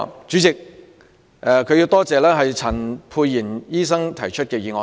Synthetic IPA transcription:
t͡ʃyː˨˧˥t͡sɪ˨k̚ | ʔɛ˨˧kʰɵ˧ji˧wt̪ɔː˥t͡sɛː˨˧lɛː˥ɦɐ˨jt͡sʰɐ˨˩npʰuː˧jːiː˨˩njiː˥sɐ˥ŋt̪ʰɐ˨˩jt͡ʃʰɵ˥t̚kɛː˧jiː˨˧ŋɔː˧

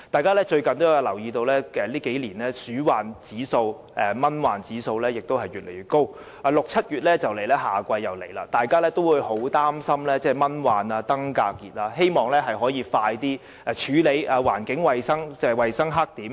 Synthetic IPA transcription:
t̪aː˨jkaː˥lɛː˥t͡ʃɵ˧ɥkɐ˨nt̪o˥jja˧lɐ˨˩wjiː˧t̪o˧wlɛː˥ɛː˨liː˥ke˨˥jliː˨˩nlɛː˥syː˨˥waː˨nt͡siː˨˥so˧w | ʔɛː˧mɐ˥nwaː˨nt͡siː˨˥so˧wlɛː˥jɪ˨k̚t̪o˥whɐ˨jɥyː˨t̚le˨˩jɥyː˨˩t̚ko˥w | ʔaː˧lʊ˨k̚t͡sʰɐ˥t̚jyː˨t̚lɛː˥t͡sɐ˨wle˨˩jlɛː˥ɦaː˨kʷɐ˧jːɐ˨wle˨˩jlaː˧t̪aː˨jkaː˥lɛː˥t̪o˥wuː˨˧jho˨˥wt̪aː˥msɐ˥mlɛː˥t͡sɛː˥mɐ˥nwaː˨˩naː˧t̪ɐ˥ŋkaː˧kːiː˨˩t̚aː˧he˥jmɔː˨˩ŋlɛː˥ɦɐ˨jɦɔː˨˥jiː˨˧faː˧jt̪iː˥ | ɛː˨˧t͡ʃʰyː˨˥le˨˧jʔaː˨˧waː˨˩nkɪ˨˥ŋwɐ˨jsɐ˥ŋt͡sɛː˥wɐ˨jsɐ˥ŋɦaː˥k̚t̪iː˨˥m

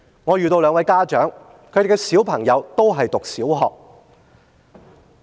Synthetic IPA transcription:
ŋɔː˨˧jyː˨t̪o˧wlœː˨˧ŋwɐ˨˧jkaː˥t͡ʃœː˨˥ŋ | kʰɵ˨˥jte˨˩kːɛ˧˥siː˨˥wpʰɐ˨˩ŋjɐ˨˧wt̪o˥wɦɐ˨jt̪ʊ˨k̚siː˨˥wɦɔː˨k̚

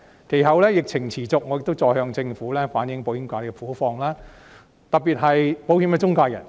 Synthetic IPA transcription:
kʰe˨˩jhɐ˨˧wlɛː˥jɪ˨k̚t͡sʰɪ˨˩ŋt͡sʰiː˨˩t͡sʊ˨k̚ŋɔ˨˧jɪ˨k̚t̪wt͡sɔː˧jhœː˧ŋt͡sɪ˧ŋfuː˨˥lɛː˥faː˨˥njɪ˨˥ŋpo˨˥whi˨˧˥mkʷaː˧t̪kɛ˧fuː˨˥fɔː˧ŋlaː˥ | t̪ɐ˨˩piː˨t̚ɦɐ˨jpo˨˥whi˨˧mkɛː˧t͡sʊ˥ŋkaː˧wjɐ̰˨˩n

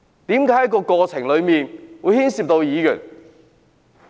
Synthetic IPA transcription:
t̪iː˨˥mkaː˨˥jɐ˥kɔː˧kɔː˧t͡sʰɪ˨˩ŋlɵ˨˧ɥmiː˨nwuː˨˧˥jhiː˥nsiː˧p̚t̪o˧wjiː˨˧jy̰ː˨˩n

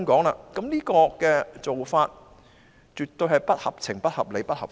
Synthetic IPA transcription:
ŋkɔː˨˥ŋlaː˧kɐ˨˥mniː˥kɔː˧kɛː˧t͡so˨wfaː˧t̚ | t͡ʃyː˨t̪ːɵ˧hɐ˨˩jpɐ˥t̚hɐ˨p̚t͡sʰɪ˨˩ŋpɐ˥t̚hɐ˨p̚le˨˧jpɐ˥t̚hɐ˨p̚

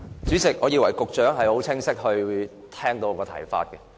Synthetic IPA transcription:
t͡syː˨˥t͡sɪ˨k̚ŋɔː˨˧jiː˧wɐ˨˩jkʊ˨k̚t͡ʃœː˨˥ŋɦɐ˨jho˨˥wt͡sʰɪ˥ŋsɪ˥k̚hɵ˧ɥ | t̪ʰɛː˥ŋt̪o˧wkɔː˧t̪ʰɐ̰˨˩jfa̰ː˧t̚kɛ˧

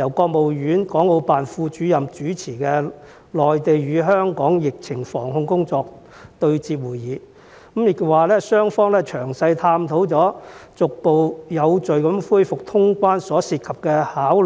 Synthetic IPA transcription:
jɐ˨˩wkɔː˧k̚mo˨wjyː˨˥nkɔː˨˥ŋlo˨˧wpaː˨nfuː˧t͡ʃyː˨˥jɐ˨mt͡ʃyː˨˥t͡sʰiː˨˩kɛː˧ | lɔː˨˩jt̪e˨jɥyː˨˧ɦœː˥ŋkɔː˨˥ŋjɪ˨k̚t͡sʰɪ˨˩ŋfɔ̰ː˨˩ŋɦʊ˧ŋkʊ˥ŋt͡sɔː˧k̚ | t̪ɵ˧ɥt͡siː˧p̚wuː˨˩jiː˨˧ | kmjɪ˨˩k̚waː˨lɛː˥sœː˥ŋfɔː˥ŋlɛː˥t͡ʃʰœː˨˩ŋsɐ˧jt̪ʰaː˧mt̪ʰo˨˥wt͡sɔː˨˥t͡sʊ˨k̚po˨wjɐ˨˧wt͡sɵ˨ɥkɐ˨˧˥mfuː˥jfʊ˨k̚t̪ʰʊ˥ŋkʷaː˥nsɔː˨˥siː˧t̚kʰɐ˨p̚kɛː˧haː˨˥w

